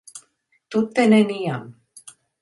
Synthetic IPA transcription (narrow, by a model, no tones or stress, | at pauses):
t̪ut̪ːenenijam